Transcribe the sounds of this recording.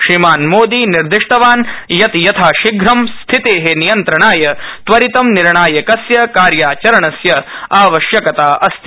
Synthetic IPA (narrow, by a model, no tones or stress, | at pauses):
ʃɾimaːnmoːd̪iniɾd̪iʂʈɐʋaːnjɐt̪jɐt̪ʰaːʃiɡɾɐmst̪ʰit̪eːɦenijɐnt̪ɾɐɳaːjɐt̪ʋɐɾit̪ɐmniɾɳaːjɐkɐsjɐkaːɾjaːt͡ʃɐɾɐɳɐsjɐaːʋɐʃjɐkɐt̪aːʔɐst̪ʰi